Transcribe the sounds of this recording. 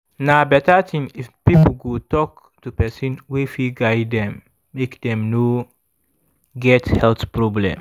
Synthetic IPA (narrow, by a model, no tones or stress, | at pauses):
nabɛtatʰĩŋifpipəl̩ɡotɔk | tupɛsĩnwifiɡaɪddɛ̃mː | ekdɛ̃mno | ɡɛthɛltpɹɔblɛ̰̃m